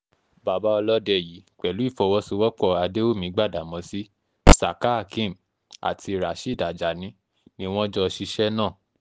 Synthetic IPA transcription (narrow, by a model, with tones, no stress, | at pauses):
ba˨ba˦ɔ˧lɔ˦dɛ˨ji˨˦k͡pɛ˨lu˨˦i˦˨fɔ˨˧wɔ˦so˧wɔ˦k͡pɔ˦˨a˧de˦o˦˨mĩ˨˦ɡ͡ba˦˨da˨mɔ̃˨˧˦si˦ | sa˨ka˦˨kĩ˦˨m | a̰˨tʰi˧˨ɾa˨ʃi˦˨da˨d͡ʒa˨nĩ˨˦ | nĩ˧w̃ɔ̃˦d͡ʒɔ˧ʃi˧ʃɛ˦nãː˦˨